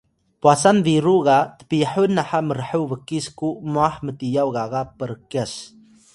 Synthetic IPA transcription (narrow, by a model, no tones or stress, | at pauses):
puasanviɾuɣatə̥piħunːaħaməɾəħəwvəkːiskumuaħmətijawɣaɣapəɾkes